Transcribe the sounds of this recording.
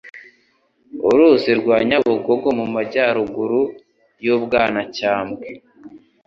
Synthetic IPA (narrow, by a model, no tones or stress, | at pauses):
uɾuːziɾɡwaːɲaβuɡoɡomumaɟaːɾuɡuɾu | jobɡaːnacaːmɡe